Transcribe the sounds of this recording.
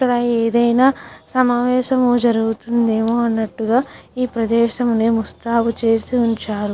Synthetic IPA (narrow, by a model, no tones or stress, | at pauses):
ɐɾaːeːd̪ɐjnaːsɐmaːʋɛːʃɐmud͡ʒɐɾuɡut̪und̪e̞ːmoːɐnːɐʈːuɡaːiːpɾɐd̪ɛːʃɐmneːmust̪aːput͡ʃe̞ːsiuɲt͡ʃaːɾu